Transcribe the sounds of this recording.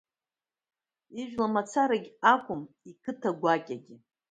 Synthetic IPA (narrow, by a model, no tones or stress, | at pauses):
iʒᶣlamat͡sʰaɾaɡʲakʷʼʊm | ikʰɨtʰaɡʷakʲʼaɡʲɪ